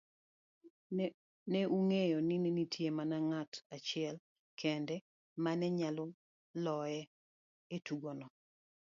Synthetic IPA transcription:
nɛʔuŋejɔnɪninitʰjemanaŋatat͡ʃɪɛl | kʰɛndɛ | manɛɲalɔ | lɔjɛ | etuɡɔnɔ

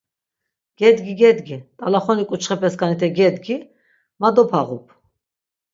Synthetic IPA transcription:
ɡ̥ɛd̪ɡiɡɛd̪ɡit̪ʼalaχɔnikʼut͡ʃʰχɛpʰɛskʰʼanit̪ʰɛɡɛd̪ɡi | mad̪ɔpʰaʁṵpʰ

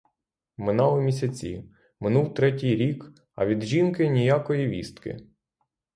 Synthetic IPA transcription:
mɪnɑlʊmʲis̬ʲɐt͡sʲḭ | mɪnuwt̪ɾɛt̬ʲijɾʲik | ɐ̰ʋʲid̪ʒʲinkɪnʲijakɔjiʋʲist̪kɪ̰

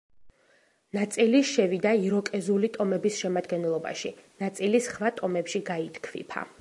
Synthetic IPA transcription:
nat̪sʼiliʃɛvid̪aiɾɔkʼɛzulit̪ʼɔmɛbisʃɛmad̪ɡɛnɛlˠɔba̰ʃinat̪sʼilisχvat̪ʼɔmɛpʃiɡait̪ʰkʰvḭpʰa̰

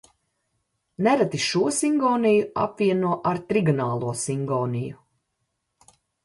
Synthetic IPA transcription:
nɛɾat̪iʃuɔsiŋɡɔːnijua̰pviɛnuɔʔaɾt̪ɾiɡunaːlˠuɔsiŋɡɔːniju

